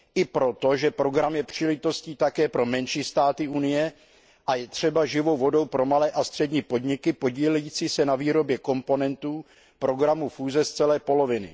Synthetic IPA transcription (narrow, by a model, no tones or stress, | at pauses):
ʔɪpɾo̞t̪o̞ʒɛpɾo̞ɡɾamjɛpr̝̥iːlɛʒɪt̪o̞sciːt̪akɛːpɾo̞mɛnʃiːst̪aːt̪ɪʔunɪjɛ | ʔajɛt̪r̝̥ɛbaʒɪvo̞wvo̞do̞wpɾo̞malɛːʔast̪r̝̥ɛdɲiːpo̞dɲɪkɪpo̞ɟiːlɛjiːt͡siːsɛnaviːɾo̞bjɛko̞mpo̞nɛnt̪uː | pɾo̞ɡɾamufuːzɛst͡sɛlɛːpo̞lo̞vɪnɪ̰